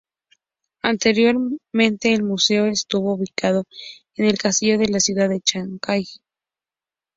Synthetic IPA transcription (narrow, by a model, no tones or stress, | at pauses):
ant̪eɾjo̞ɾmẽ̞nt̪e̞ːlmuse̞oest̪uβo̞uβikað̞o̞ | ene̞lkast̪iʝo̞ðe̞lasjuðaðet͡ʃaŋkaj